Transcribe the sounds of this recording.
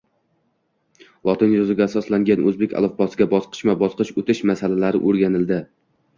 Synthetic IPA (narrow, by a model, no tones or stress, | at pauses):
lˠɒt̪ʰɪnjozɪɡʲaːsɒslaŋɡʲanʔɵzbekʲʰa̰lˠɒfbɒsɪɡʲabɒsqʰɨ̥ʃmabɒsqɨʃɵt̪ʰɪʃmasalalaɾɪʔoɾɡʲanɪld̪ɪ